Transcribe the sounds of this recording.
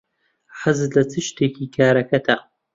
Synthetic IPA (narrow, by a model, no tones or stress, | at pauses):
ħazlɐt͡sʰɨʃt̪ʰeːkʰiːkʰaːɾɐkʰɐt̪ʰɐ